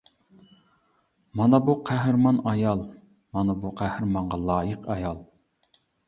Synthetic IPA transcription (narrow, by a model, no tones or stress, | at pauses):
mɑnɑbuqʰæɦɾmɑnɑjɑlˠ | mɑnɑbuqʰæhɾmɑɴʁɑlˠɑːjəqɑjɑlˠ